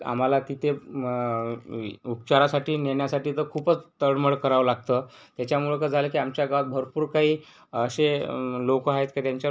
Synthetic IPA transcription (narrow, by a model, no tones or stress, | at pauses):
a̰m̤alat̪it̪ʰe | upt͡ɕaɾasaʈiːneɳjasaʈiːt̪əɾkʰuːpət͡st̪əɽməɭkəɾaʋlaɡ̚t̪ə | t̪jat͡ɕjamulekəd͡zʱaləkiːamt͡ɕjaɡat̪̚bʱəɾpuːɾkaɦiː | əɕelokəaɦet̪kat̪jaɲt͡ɕja